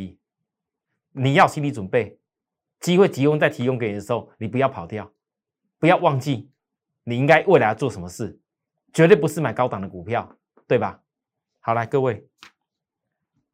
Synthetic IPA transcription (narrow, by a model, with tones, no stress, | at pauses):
ni˨˩jɑ˥˧ʊɕi˥nli˧˩t͡swnpe˥˩ɪ | t͡ɕi˦˥xwe˥˨ɪt͡ɕi˧˥kʊ˥ŋt͡sa˥˩ɪt̪ʰi˧˥kŋke˧˥ni˨˩ə˩ʂ̩˧xo˥˩ʊni˨˩p̬u˧˦jɑ˥˩ʊpʰɑ˨˩ʊt̪jɑ˥˨ʊ | pu˧˦jɑ˥˧ʊwɑ˥˧ŋt͡ɕi˥˨ | ni˨˩i˦˥ŋka˦ɪʔwe˥˩ɪla˧˥jt͡swɔ˥˨˩ʂə˧˦mə˨ʂɻ̩˥˩ | t͡ɕɥɛ˧t̪̬we˥˩ɪpu˧˦ʂɻ̩˥˩ma˨˩ɪkɑ˥ʊt̪ɑ˨˩ŋd̪ə˩ku˨˩pʰjɑ˥˨ʊ | t̪we˥˩ɪba˨˩ | hɑ˨˩ʊla˧˦ɪkɤ˥˧we˥˩ɪ